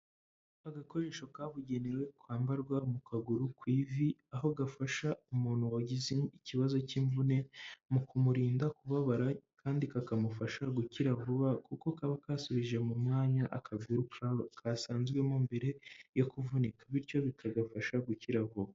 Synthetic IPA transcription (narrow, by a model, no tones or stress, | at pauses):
aɡako̞ɾe̞ːʃo̞kaːβuɟe̞neɾwe̞kwaːmbaɾɡwamukʰaɡuɾukwiːviaɦo̞ɡafaʃaumuːn̥huwaɟizeiciβazo̞ciːɱvune̞mukumuɾiːndakuβaβaɾakʰaːndikakamufaʃaɡuciɾavuβakuko̞kaβakaːsuβiʒe̞mumŋaːɲaʔakʰabɡuɾukakʰaːsaːnzɡwe̞mumbe̞ɾe̞jokuvunikaβiɾco̞βikʰaɡafaʃaɡuciɾavuβa